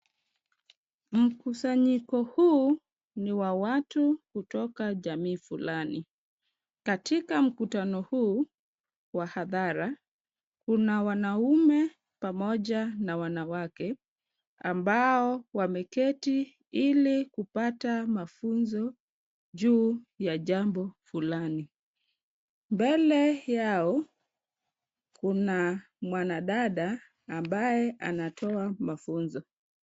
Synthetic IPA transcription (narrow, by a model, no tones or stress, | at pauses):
m̩kusaɲikɔhu | niwawatukutɔkaʄamiːfulani | katikam̩kutanɔhuː | wahaðaɾa | kunawanaumɛ | pamɔʄanawanawakɛ | a̰mbaɔwamɛkɛti | ilikupatamafunzɔ | ʄuːjaʄambɔfulani | mbɛlɛjaɔ | kuna | mwanaɗaɗaː | mbajɛʔanatʰɔamafunzɔ